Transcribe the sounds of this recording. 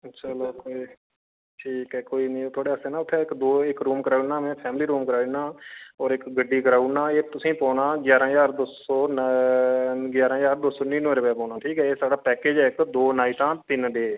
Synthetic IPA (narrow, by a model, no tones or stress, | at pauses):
əʃʰaloːkoːiː | ʈʰiːkɛːkoːiːnĩːt̪ʰoːɽeːəseːnãːʊt̪ʰːɛɪkd̪oːɪkɾuːmkəɾaːuɳnaːmɛ̃ːpʰɛːmliːɾuːmkəɾaːnaːɔːɾɪkɡəɖːiːkəɾaːuɳnãːeːt̪ʊsĩːpɔ̃ːnãːɡjaːɾãːjaːɾd̪oːsoːn | ɡjaːɾãːjaːɾd̪oːsoːnĩːneːɾəpɛːpɔ̃ːnãːʈʰiːkɛːeːsaːɖaːpɛːkeːd͡ʒɛːɪkd̪oːnaːiːʈãːt̪ɪnɖeː